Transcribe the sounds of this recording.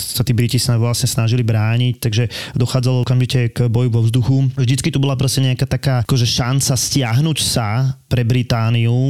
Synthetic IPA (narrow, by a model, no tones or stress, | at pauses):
sat̪iːbɾicisnaʋlasɲɛsnaʒilibɾaːɲict̪aɡʒɛd̪ɔxaːd͡zalɔɔkamʒicɛkbɔjuʋɔvzd̪uxuʒd̪itt͡skit̪ubɔlapɾɔscɛɲɛakaːt̪akaːkɔʒɛʃant͡sascɪaɦnucsapɾɛbɾit̪aːniu